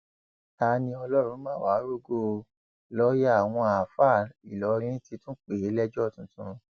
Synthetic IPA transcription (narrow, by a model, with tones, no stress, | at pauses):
ta˧˦nĩ˧ɔ˧lɔ˦ɾ̃ũ˨˦mãː˦˨wa˨˦ɾo˦˨ɡo˧ | lɔ˦ja˦a˨w̃ɔ̃˧a˨fa˦˨i˨lɔ˨˦˧ĩ˦ĩ˦ti˧˦tũ˦k͡pe˨˦lɛ˦d͡ʒɔ˦˨tũ˨tũ˧